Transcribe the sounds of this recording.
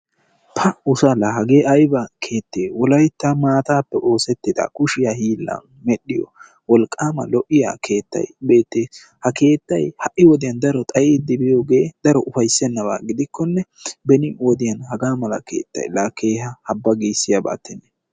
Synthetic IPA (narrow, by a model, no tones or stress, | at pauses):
pʰɐʊsɐlɐɦɐɡe̞ːʔɐjbɐkʰe̞ːt̪ːeːwɔlɐjt̪ːɐmaːt̪aːpːɛʔo̞ːsɛt̪ːɪd̪ɐ̰kʊʃɪjahiːlːɐ̰n | mɛɗɪjɔ̰ | wɔlkʼːaːmɐ̰lɔʔɪja̰ːkʰe̞ːt̪ːɐ̰jbe̞ːt̪ːeː | hɐke̞ːt̪ːɐjhɐʔːɪwɔd̪ɪjɐnd̪ɐɾɔt̪ʼɐjeːd̪ːɪbɪjo̞ːɡe̞ːd̪̥ɐɾɔʔʊfɐjsɛnːɐβa̰ːɡɪd̪ɪkʰːɔnːɛbɛnɪwɔd̪ɪjɐnhɐɡaːmɐlɐ̰kʰe̞̰ːt̪ːɐ̰jlaːkʰe̞ːɦɐhɐbːɐɡiːsːɪjɐba̰ːt̪ːɪnːɛ